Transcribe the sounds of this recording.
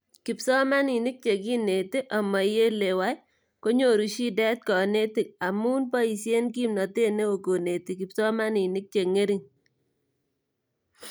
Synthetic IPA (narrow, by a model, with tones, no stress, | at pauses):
kɪ˨psɔ˦ma˦ni˨nɪ˦k̚t͡ʃe˨ki˦ne˨ti˦ʔa˨ma˨je˦le˨wa˦j | ko˦ɲo˨ɾu˨ʃi˦dɛ˦t̪̚kɔ˨ne˦tɪ˨k̚a˨mu˦npɔ˦i˨sje˦nki˦mnɔ˨te˦ne˦o˨ko˨ne˨ti˨kɪ˨psɔ˦ma˦ni˨nɪ˦k̚t͡ʃe˨ŋe˦ɾi˦˨ŋ